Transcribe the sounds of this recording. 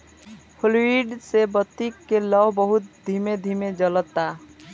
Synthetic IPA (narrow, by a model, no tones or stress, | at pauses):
pʰoliwiɖsebət̪ːikːeləbbəɦut̪̚d̪ʱimed̪ʱimed͡ʒələt̪ːa